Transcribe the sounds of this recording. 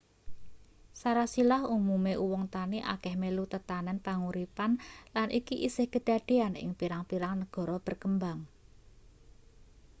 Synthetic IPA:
saɾasilahumumeʔuwɔŋt̪aniʔa̰kɛhmelut̪ət̪anɛnpaŋuɾipanlanʔikiʔisɪhkəɖ̥a̤ɖ̥e̤anɪ̰ŋpiɾaŋpiɾaŋnəɡ̥ɔ̤ɾɔb̥ə̤rkəmbaŋ

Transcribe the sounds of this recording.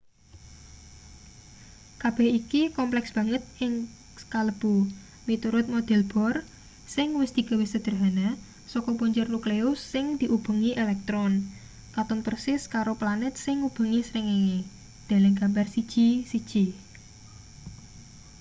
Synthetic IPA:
kab̥ɛhikikɔmplɛksb̥ä̤ŋət̪̚ɪŋ | skaləb̥u | mit̪uɾʊt̪̚mod̪̥ɛ̤lb̥ɔ̤r | sɪŋwɪsd̪̥i̤ɡ̥a̤wehsəd̪̥ərɦana | sɔkɔpuɲd͡ʒʊrnukleʊsːɪŋd̪̥iʔub̥ə̤ŋiʔelɛk̚t̪ɾɔn | kat̪ʊnpərsɪskaɾoplanɛt̪̚sɪŋub̥ə̤ŋisɾiŋeŋe | d̪̥a̤lɪŋɡ̥ambarsid̥ʒ̥isid̥ʒ̥i

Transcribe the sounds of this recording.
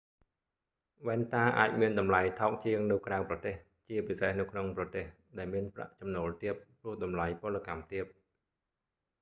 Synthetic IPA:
ʋɛːnt̪aːʔa̰ːc̚miənɗɑmlajt̪ʰɑɔk̚t͡ɕiəŋnɨwkraəwprɑt̪eːh | t͡ɕiəpisehnɨwkʰnoŋprɑt̪eːh | ɗaɛlmiənpra̰ʔt͡ɕɑmnoːlt̪iəp̚prʊ̆əhɗɑmlajpŏlːəkamt̪iəp̚

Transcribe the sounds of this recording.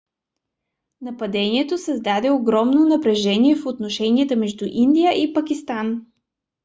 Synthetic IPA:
nɐpɐd̪ɛniɛt̪osəzd̪ad̪ɛoɡɾɔmnonɐpɾɛʒɛniɛfot̪noʃɛniət̪əmɛʒd̪uʔind̪ijəʔipɐkist̪an

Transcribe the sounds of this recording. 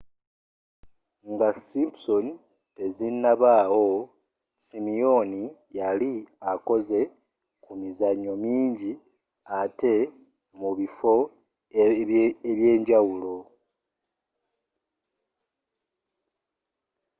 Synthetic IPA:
ŋɡasimpson | te̞zinːaβaːwo̞ | simio̞nijaliako̞ze̞ | kumizaɲːo̞miːɲɟi | ate̞ | muβifo̞ | eβje̞ːɲɟawulo̞

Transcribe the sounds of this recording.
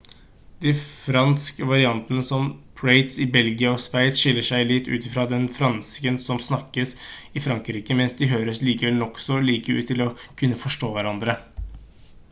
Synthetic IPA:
d̪ɪfɾɑnskəʋɑɾɪɑnt̪ənəsɔmpʰɹeɪt̪sɪbɛlɡɪəɔsʋæɪt̪ʂɪlːəʂæɪlɪt̪ːʉ̰ːt̪ɪfɾɑːd̪ɛnfɾɑnskənsɔmsnɑkːəsɪfɾɑŋkɾiːkəmɛnsd̪ɪɦøːɾəsliːkəʋɛlnɔksɔliːkəʉ̰ːt̪ːɪlɔkʰʉnːəfɔʂʈoːʋæɾɑnd̪ɾə

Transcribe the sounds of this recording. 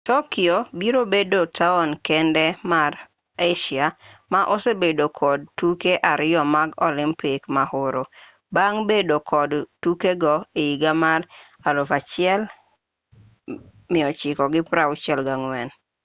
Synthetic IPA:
tɔkɪobiɾobedotʰaɔnkɛndɛmar | eʃiamaʔosebedokʰɔd̚tukeʔaɾɪɔmaɡɔlɪmpɪkmahʊɾo | baŋbedokʰɔdtukeɡɔeiɡamar | alʊfat͡ʃɪɛl | mɪɔt͡ʃɪkɔɡɪpɾaʊt͡ʃɛlɡaŋwɛn

